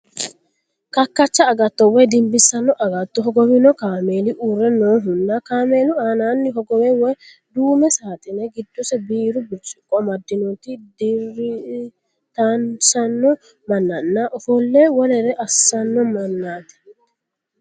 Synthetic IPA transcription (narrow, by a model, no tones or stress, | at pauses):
kɐkːɐt͡ʃːɐːɡɐt̪ːɔwɔjd̪ɪmbɪsːɐnːɔʔɐɡɐt̪ːɔɦɔɡɔwɪnɔkaːme̞ːlɪʔuːrːɛnoːɦʊnːɐkaːmeːlʊaːnaːnːɪɦɔɡɔwɛwɔj | d̪uːmɛsaːt̪ɪnɛɡɪd̪ːʊsɛbiːɾʊbɪt͡ʃʼɪkʼːɔmɐd̪ːɪnɔt̪ɪd̪ɪɾɪ | t̪ɐnsɐnːɔ | mɐnːɐnːɐʔɔfɔlːɛwɔlɛɾɛʔɐsːɐnːɔmɐnːaːt̪ɛ̥